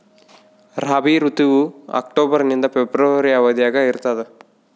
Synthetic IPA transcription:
ɾaːbiɾut̪iʋuɐ̰kʈoːbɐɾnind̪ɐpebɾɐʋɐɾiɐʋɐd̪jaːɡɐiɾt̪ɐðe

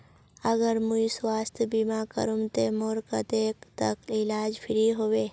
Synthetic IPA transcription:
ɐɡəɾmũiswaːst̪biːmakə̰ɾumt̪emoːɾkad̪eːkt̪ɐklɪlaːd͡ʒpʰɪɾiɦoːʋeː

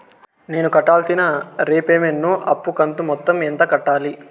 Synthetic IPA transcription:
ne̞ːnukɐʈːaːlsinɐɾeːpeːmenːuʔɐpːukɐnt̪umɔt̪ːɐment̪ɐkɐʈːaːli

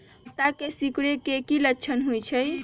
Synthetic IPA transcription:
t̪akesikɽekekilətːt͡ʃʰənɦojt͡ʃʰəj

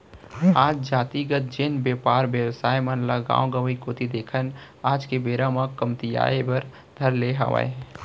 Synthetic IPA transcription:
aːd͡ʒd͡ʒaːt̪iɡət̪̚d͡ʒenbjeːpaːɾʋjəwsaːemənlaɡã̰ːoɡəʋikoːt̪id̪eːkʰən | aːd͡ʒkebeːɾamãkːəmt̪ija̰ːebəɾ | d̪ʱəɾleɦa̰ʋa̰ḛ

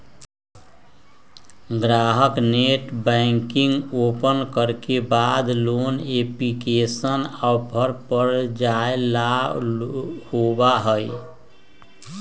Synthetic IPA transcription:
ɡɾaɦəkneʈbə̃ŋkiŋɡopənkəɾkebad̪loneplikesənaʊpʰəɾpəɾd͡ʒaela | hobaɦəj

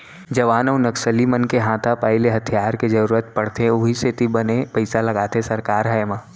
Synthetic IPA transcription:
d͡ʒɐʋaːnəwnɐksəlimɐnkeɦãːt̪ʰapaːɪleɦɐt̪ʰijaːɾked͡ʒɐɾuːɾət̪̚pɐɽt̪ʰeʊɦiset̪ibɐnepɐɪsalɐɡaːt̪ʰesɐɾkaːɾɦajmaː

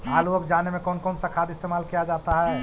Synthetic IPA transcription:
aːluɐɡd͡ʒaːnemẽkɔːnkɔːnsakʰaːd̪ɪst̪eːmaːlkijad͡ʒaːt̪aɦɛ

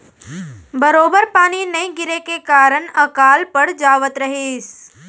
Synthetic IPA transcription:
bəɾoːbəɾpaːninɐĩɡɪɾekekaːɾəɳəkaːlpəɽd͡ʒaːʋət̪ɾəɦeːs

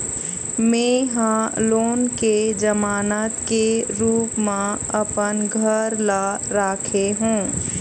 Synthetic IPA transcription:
mẽːɦãloːnked͡ʒəmaːnət̪keɾuːpmã | ɐpənɡʱəɾla | ɾaːkʰeɦũː

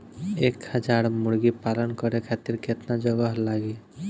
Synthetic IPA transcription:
ekhəd͡ʒaɽmuɽɡipalɔnkɔɾekʰat̪iɾkʰet̪nad͡ʒɔɡɔɦlaɡi

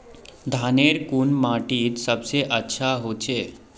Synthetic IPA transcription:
d̪ʱaːneːɾkunmaːʈit̪səbseʔətːʃʰaɦoːt͡ʃʰeː

